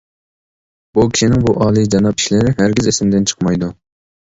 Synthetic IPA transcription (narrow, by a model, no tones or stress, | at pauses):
bukʲi̥ʃinɪŋbuʔɑːlˠɨd͡ʒɑnɑpʰi̥ʃlɪɾɪɦæɾɡʲizesɪmd̪ɪnt͡ʃʰə̥qmɑjd̪u